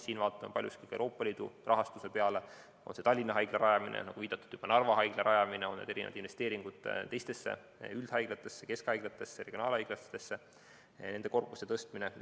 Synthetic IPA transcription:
siːnvɑːt̪ːˑɑmɑpɑlʲjuskikɑewɾo̞ːpːˑɑliːd̪̥ṵrʔɑɦɑst̪usepe̞ɑle̞ | o̞̰nse̞t̪ɑlʲːinːɑɦɑjɡ̥leɾɑjɑminʔḛnɑɡ̥uviːd̪̥ɑt̪ːˑud̥̪jub̥ɑnɑrvɑɦɑjɡ̥leɾʔɑjɑmineo̞ned̪̥e̞ɾinḛv̰ɑd̪invest̪e̞ːɾiŋɡ̥ud̪̥t̪ːe̞jst̪e̞sːḛ | yld̪̥hɑjɡ̥let̪ˑːe̞sːeke̞skɑjɡ̥let̪ːˑe̞sːereɡjonɑːlhɑjɡ̥lɑst̪ːesːe | ne̞nd̪e̞ko̞rpust̪et̪ɤst̪mine

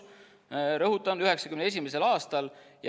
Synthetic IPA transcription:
ɾɤɦut̪ːˑɑnd̪yɦe̞ksɑkymnees̬ʲimes̬e̞lɑːst̪ɑlj

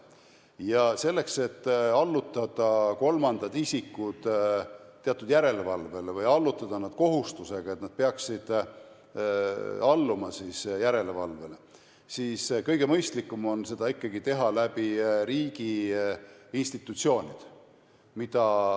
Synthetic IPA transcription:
jɑse̞lːe̞kse̞t̪ːɑlːut̪ːˑɑd̪̥ɑko̞lmɑnd̪̥ɑd̪isikːud̪̥ | t̪ːe̞ɑt̪ːˑud̪jæɾe̞levɑlve̞levɤjɑlːut̪ːˑɑd̪̥ɑnɑd̪̥̚ko̞ɦust̪use̞ɡ̥ɑe̞t̪nɑd̪̥̚peɑksid̪̥ | ɑlːumɑsisjæɾe̞levɑ̰lve̞le | siːskɤjɡ̥e̞mɤjst̪likːˑumo̞nse̞d̪̥ɑikːɑɡit̪e̞ɦɑlæb̥iɾiːɡ̥i | inst̪it̪ːˑut̪sio̞ːnʲid̪̥ | mid̪̥ɑ

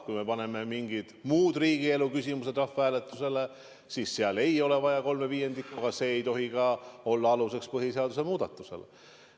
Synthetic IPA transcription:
kujme̞pɑne̞me̞miŋɡid̪̥muːd̪̥riːɡ̥ie̞lukysimuse̞d̪rɑfeæːlet̪ːˑuse̞le̞ | siːsːeɑle̞jo̞le̞vɑjɑko̞lme̞viːe̞nd̪ikːˑoɡ̥ɑse̞ːjt̪o̞ɦikɑo̞lːɑɑluse̞kspɤɦiseɑd̪use̞muːd̪̥ɑt̪ːˑuse̞̰lḛ

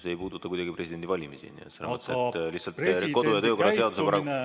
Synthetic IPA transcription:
seejpuːd̪ut̪ːˑɑkujd̪ɑɡ̥ipre̞sid̥̪e̞nd̪ivɑlʲimisḭniḛt̪selːemɤt̪ːˑet̪ːliht̪sɑlt̪ko̞d̪ujɑt̪ɤːko̞rːɑse̞ɑd̪usepæɾɑk

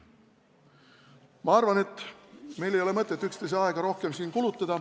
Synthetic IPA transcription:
mɑɑrvɑne̞t̪ːˑme̞jlejole̞mɤt̪ːˑet̪ːykst̪e̞js̬eɑeɡ̥ɑɾo̞hke̞msiːnkulut̪ːˑɑd̪̥ɑ

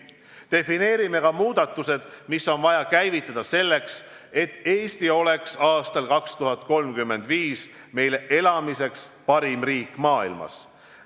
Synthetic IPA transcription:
t̪e̞fine̞ːɾime̞kɑmuːd̪̥ɑt̪ːˑuse̞d̪̥misːo̞nvɑjɑkæjvit̪ːˑɑd̪̥ɑse̞lːe̞ks | e̞t̪ːˑe̞ːst̪io̞le̞ksɑːst̪ɑlkɑkst̪uɦɑt̪̚ko̞lmkymːe̞nd̪viːs | me̞jle̞ʔe̞lɑmise̞kspɑɾimriːkːˑmɑːilmɑ̰s

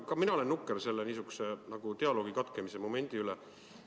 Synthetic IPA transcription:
kɑminɑole̞nːukːˑeɾse̞lːeniːs̬ykːu̥se̞nɑɡ̥ut̪e̞ɑlo̞ːɡikɑt̪ˑkemise̞mo̞me̞nʲd̪̥iylɛ

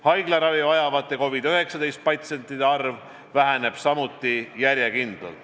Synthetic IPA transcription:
hɑjɡleɾɑvivɑjɑvɑt̪ːˑe̞ko̞vid̪øɦe̞ksɑd̪e̞jst̪̚pɑt̪se̞nt̪ːˑid̪eɑrv | væɦæne̞b̥sɑmut̪ˑːijæɾjekind̪̥lɑ̰l

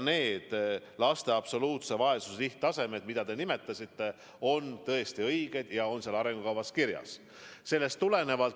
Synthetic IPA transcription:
ne̞ːd̪̥lɑst̪e̞ɑb̥so̞luːt̪se̞vɑe̞suseliht̪ːɑse̞me̞d̪mid̪̥ɑd̪e̞nime̞t̪ːˑɑsʲit̪ˑːe̞ | o̞nt̪ɤest̪iɤjɡ̥e̞d̪̥jɑo̞nseɑlɑɾe̞ŋɡ̥ukɑwvɑskiɾjɑ̰s | se̞lːe̞st̪ːule̞ne̞vɑlt̪

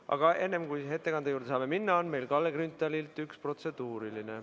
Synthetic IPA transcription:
ʔɑ̰ɡ̥ɑʔe̞nːe̞mkujɦe̞t̪ːˑe̞kɑnd̪̥ejuːɾd̪esɑːme̞minːɑonme̞jlkɑlːeɡrynt̪ːˑɑlilt̪ˑykspro̞t̪se̞d̪̥uːɾiline

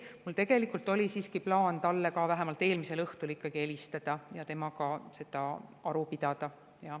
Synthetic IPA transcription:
mult̪e̞ɡe̞likult̪ːˑo̞lisiːskiplɑːnt̪ɑlːekɑvæɦemɑlt̪ːˑe̞ːlmise̞lɤht̪ulikːɑɡ̥ie̞list̪ɑd̪̥ɑjɑt̪e̞mɑkɑse̞d̪̥ɑɑɾupid̪̥ɑd̪̥ɑ | jɑ

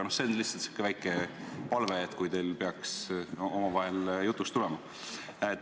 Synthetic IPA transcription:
nohse̞onlihtsɑlt̪si̥kːˑevæjkːˑepɑlveːt̪ːˑkujt̪e̞jlpe̞ɑkso̞mɑvɑɦe̞ljut̪ːˑust̪ulɛmɑ | et

